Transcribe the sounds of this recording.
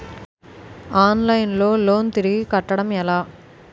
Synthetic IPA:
aːnlɐjnlo̞ːloːnt̪iɾiɡikɐʈːɐɽɐmɛlaː

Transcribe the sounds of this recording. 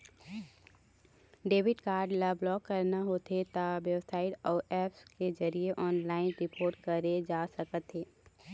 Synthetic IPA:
ɖeːʋɪɖkaːɾɖlɐblɔːkːɐɾnaɦot̪ʰet̪aʋjəʋsaːɪʈɔːɛːpskezɐɾieʔɔːnlaːɪnɾɪpoːɾʈkɐɾed͡ʒaːsɐkət̪ɦeː

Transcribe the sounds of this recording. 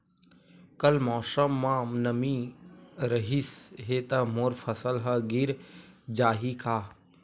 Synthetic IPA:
kəlmɔːsəmːãːnəmĩ | ɾəɦisɦeːt̪ɐmoːɾfʰəsəlɦəɡiɾd͡ʒaːɦikʰaː

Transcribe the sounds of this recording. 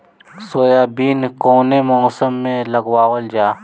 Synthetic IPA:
soːjaːbiːnkoːnemɔːsəmːẽləɡwaːwəld͡ʒaː

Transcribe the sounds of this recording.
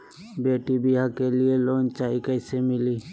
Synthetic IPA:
beːʈibiɦakelieloːnt͡ʃaːikəɪsemɪliː

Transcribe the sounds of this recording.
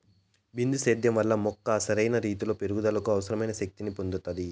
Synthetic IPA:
bind̪useːd̪jɐmʋɐlːɐmɔkːɐːsɐɾɐjnɐɾiːt̪ulo̞ːpe̞ɾuɡud̪ɐlɐkuɐʋɐsɐɾɐmɐjnɐʃɐk̚t̪inipond̪ut̪ːɐd̪i

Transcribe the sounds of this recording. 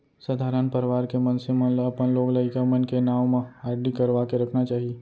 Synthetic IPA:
səd̪ʱaːɾənpɐɾʋaːɾkemɐ̃nsemɐ̃nlɐpənloːɡləɪkamɐnkenaːʋmãaːɾlikɐɾʋaːkeɾɐkʰnat͡ʃaːɦieː

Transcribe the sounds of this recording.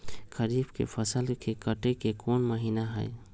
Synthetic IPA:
kəɾiːbkḛfʰəsəlkekəʈekekʰɔːnməɦiːnaɦɛ̰ː

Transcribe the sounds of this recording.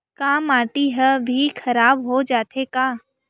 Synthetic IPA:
kaːmaːʈiɦɛbʱikʰɐɾaːbɦod͡ʒaːt̪ekaː

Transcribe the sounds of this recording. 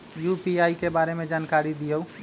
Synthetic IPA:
jupiajkebaɾemed͡ʒankaɾid̪ijo

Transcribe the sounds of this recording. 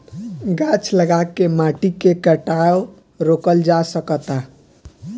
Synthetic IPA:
ɡat͡ʃʰləɡakːemaʈikekəʈao | ɾokəld͡ʒasəkət̪a

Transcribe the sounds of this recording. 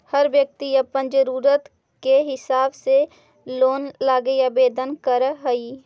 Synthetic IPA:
həɾʋjək̚t̪iəpənd͡ʒəɾuːɾət̪ | keɦɪsaːbse | loːnlaːɡejabeːd̪ənkəɾɦəi

